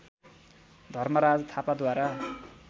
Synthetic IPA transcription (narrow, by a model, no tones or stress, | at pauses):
d̪ʱʌrmʌɾad͡zt̪ʰapad̪waɾa